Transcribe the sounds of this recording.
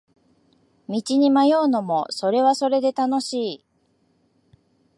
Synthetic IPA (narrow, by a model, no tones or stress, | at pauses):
mʲit͡ɕiɲ̟imajo̞ːno̞mo̞so̞ɾe̞βaso̞ɾe̞d̪e̞t̪ano̞ɕiː